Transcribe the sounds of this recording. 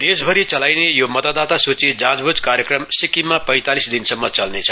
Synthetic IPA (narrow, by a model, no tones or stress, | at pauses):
d̪̥esbʱʌɾit͡sʌlajnejomʌt̪at̪ːat̪asut͡sid͡zãd͡zbʱud͡zkaɾjekrʌmsikimːapʌjt̪alisd̪insʌmːʌt͡sʌlnet͡sʰʌ